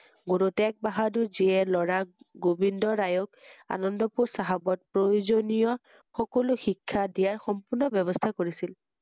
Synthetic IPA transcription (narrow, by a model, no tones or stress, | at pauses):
ɡuɹutɛk̚baɦaduziɛlɔɹaɡobindɔɹajɔka̰nɔndɔpuɹsaɦabɔt̚pɹojzonijɔ | xɔkɔlʊxikʰːadijaɹxɔmpʊɹnɔbɛβɔst̪ʰakoɹisil